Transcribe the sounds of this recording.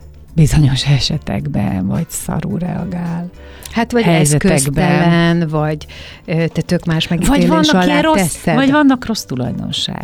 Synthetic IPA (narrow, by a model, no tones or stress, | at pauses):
bizo̞ɲo̞ʃɛʃɛt̪ɛ̰ɡbɛ̰nvɒ̰ɟsɒ̰ɾṵːɾɛ̰ɒ̰ɡaːl | hat̪vɒɟhɛɛszɛkøɛɡb̪ɛlɛnvɒɟ | øt̪ɛt̪ø̞kmaːʃmɛɡiɒeːlvɒnːɒɒlaroɛsːɛvɒɟvɒnːɒkro̞st̪ulɒ̰jd̪o̞̰nʃa̰ːɡ̥